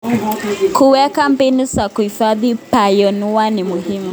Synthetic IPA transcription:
kuwɛkampinusakuhifaðipajɔnuwanimuhimu

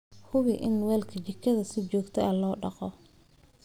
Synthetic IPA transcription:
hʊβɪʔɪnwɛːlkʰɐt͡ʃɪkʰːɐðɐsɪt͡ʃɔːɡt̪ʰɛʔɐlɔːɖɑqɔ

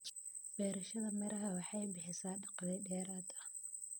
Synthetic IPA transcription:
b̥ɛːɾɐʃɐðɐmɐɾɐɦɐwɑħɑjbɪħɪsaːɖɑqɑðɛjɖɛːɾaːd̪ɐ

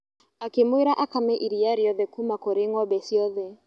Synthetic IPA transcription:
akimwiɾaʔakamɛʔiɾijaɾiɔðɛkumakoɾeŋɔbɛsiɔðɛ

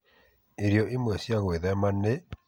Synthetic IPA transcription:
eɾiɔʔemwɛsjaɣoeðɛmane

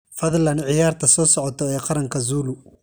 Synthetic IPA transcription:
fɐðlɐnʕɪjaːrt̪ʰɐsɔːsɔʕɔt̪ʰɔɛːqɑɾɐŋkʰɐzuːlʊ

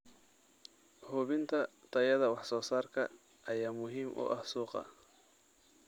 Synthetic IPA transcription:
hʊβɪnt̪ʰɐt̪ʰɐjɐðɐwɑħsɔːsaːrkʰɐ | ʔɐjaːmʊɦiːmʔʊ̰ʔɐhsuːqɑ̰

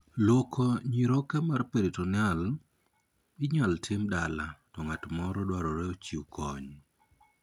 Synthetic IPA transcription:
lɔkʰɔɲiɾokɛmarpeɾetɔnɪal | ɪɲaltʰɪmdalatɔŋatmɔɾɔdwaɾɔɾɛot͡ʃikʰɔɲ

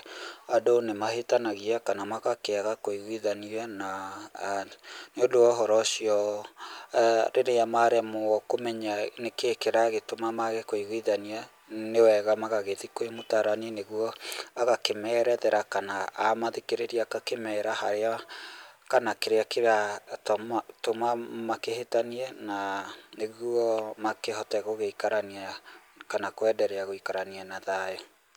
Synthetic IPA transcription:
adonemaɦetanaɣiakanamaɣakeaɣakoiɣwiðaniana | neodoɔɦɔɾɔsiɔ | ɾeɾeamaɾɛmokomɛɲanekekeɾaɣetomamaɣekoiɣwiðania | newɛɣamaɣaɣeðikoemotaɾanineɣwɔaɣakemɛːɾɛðɛɾakanaːmaðekeɾeɾiakakemɛɾahaɾea | kanakeɾeakeɾatatomamakehetaniɛnaneɣwɔmakehɔtɛɣoɣeikaɾaniakanakoɛdɛɾɛaɣoikaɾanianaðajɔ

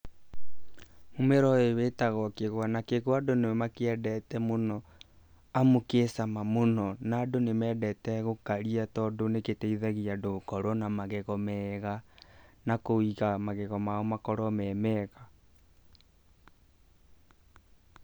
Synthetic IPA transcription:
momeɾɔewetaɣɔkeɣwanakeɣwadonewɛmakeɛdɛtɛmonɔ | amokesamamonɔnadonemɛːdɛtɛɣokaɾiatɔdoneketɛiðaɣiadokɔɾɔnamaɣeɣɔmɛɣanakoiɣamaɣɛɣɔmaɔmakɔɾɔmɛːmɛɣa

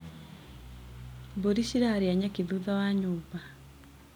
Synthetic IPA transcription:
boɾiʃiɾaɾjaɲakiðuðawaɲʊpa

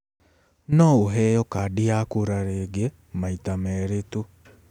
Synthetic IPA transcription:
nɔoɦɛjɔkadiakoɾaɾeɡɛ | maitamɛɾetu

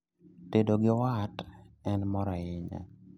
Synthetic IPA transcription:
tedoɡɪwat | ɛnmɔɾɔɪɲa̰

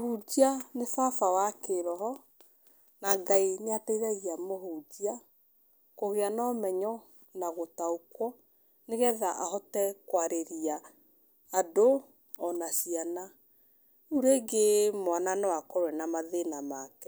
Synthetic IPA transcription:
hud͡ʒianefafawakeɾɔɦɔ | naɡaiɲataiɾaɣiamoɦud͡ʒia | koɣeanɔmɛɲɔ | naɣotaokwɔ | neɣɛðaʔahɔtɛkwaɾeɾiaː | do | ɔnasiana | uɾeɡemwananɔwakɔɾwɛnamaðenamakɛ

